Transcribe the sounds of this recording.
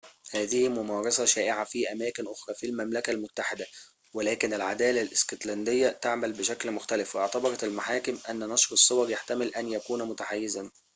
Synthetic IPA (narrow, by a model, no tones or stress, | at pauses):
hæːðɪhimʊmɑːɾˤɑsɑʃæːʔɪʕafiʔæmæːkɪnʔoxɾˤɑːfilmæmlækælmʊt̪ːaħɪd̪æ | welæːkɪnɪlʕad̪æːlælʔɪskot̪lænd̪ɪjːæt̪aʕmælbɪʃæklmʊxt̪ælɪfwʔɪʕt̪ɑbɑɾˤɑt̪ɪlmaħaːkɪmʔænːnɑʃɾɨsˤːowɑɾˤjaħt̪æmɪlʔænjækuːnmʊt̪aʕajːɪzæn